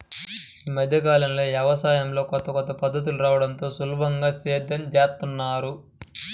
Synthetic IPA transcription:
iːmɐd̪ʱjɐk̬aːlɐnlo̞ːʋjɛʋɐsaːjɐmlo̞ːkɔt̪ɐkɔt̪ɐpɐd̪ːɐt̪̬uluɾaːʋɐɽɐnt̪o̞ːsuluːbʱɐŋɡaːseːd̪ʱːɐnd͡ʒɛːst̪unːaːɾu

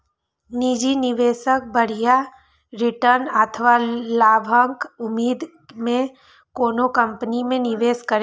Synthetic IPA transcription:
nid͡ʒinɪʋeːʃək̚bəɽ̤ija | ɾɪʈəɾnət̪ʰəʋalaːbʱəŋkʊmiːd̪ | mẽ | koːnokə̃mpənimẽnɪʋeːskəɾe

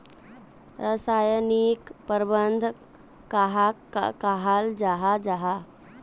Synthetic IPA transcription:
ɾəsaːjənikpəɾbənd̪ʱ | kaɦaa̰kaɦald͡ʒaɦad͡ʒaɦa

